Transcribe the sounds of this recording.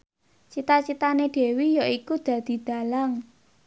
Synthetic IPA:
t͡ʃit̪at͡ʃit̪aneɖ̪̥e̤wijaikud̪̥ä̤d̪̥i̤d̪̥a̤laŋ

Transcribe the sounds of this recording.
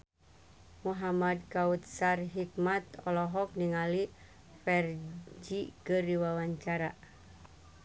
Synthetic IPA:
muɦamad̚kaut̪̚sarɦikmat̪ɔlɔɦɔk̚niŋali | fɛrd͡ʒikəriwawaɲt͡ʃaɾa̰

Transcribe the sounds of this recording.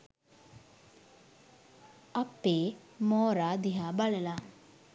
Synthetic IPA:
ɐpːeːmoːɾaːd̪iɦaːbaləla

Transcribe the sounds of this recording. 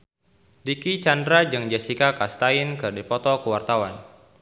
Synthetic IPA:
dikit͡ʃandɾad͡ʒɨŋd͡ʒasikakast̪aɪnkɨrdipɔt̪ɔkəwart̪awan

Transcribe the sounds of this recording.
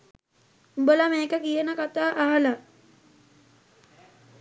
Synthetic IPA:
umbəlameːkəkijənəkat̪aːʔaɦala

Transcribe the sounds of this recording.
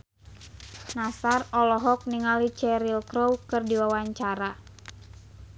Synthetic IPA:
nasarɔlɔɦɔk̚niŋalit͡ʃɛɾilkɾowkɨrdiwawaɲt͡ʃaɾa

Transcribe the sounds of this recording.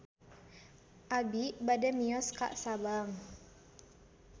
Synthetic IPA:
ʔabiʔbadamiɔska̰ʔsabaŋ

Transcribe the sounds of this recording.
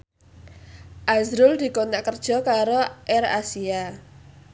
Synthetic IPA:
ʔazɾʊld̪̥i̤konaʔkərd̥ʒ̥ɔ̤kaɾoʔɛra̰sia

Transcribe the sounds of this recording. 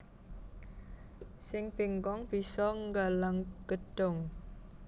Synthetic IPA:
sɪŋpiŋkɔŋb̥isɔŋɡalaŋɡ̥əɖ̥ɔŋ

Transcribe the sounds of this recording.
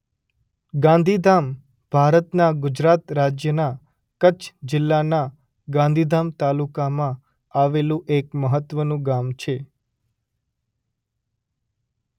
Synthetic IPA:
ɡãnd̪ʱid̪am | b̥ʱaɾət̪naɡʊd͡ʒɾat̪ɾad͡ʒjəna | kət͡ʃʰd͡ʒɪlːana | ɡãnd̪ʱid̪amt̪alukamã | aʋelũʔekməɦət̪ʋənũɡamt͡ʃʰe

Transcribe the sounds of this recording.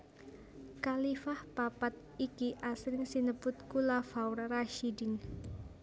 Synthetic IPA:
kalifahpapat̪̚ikiʔasɾɪŋsinəpʊt̪̚kulafawrraʃidin

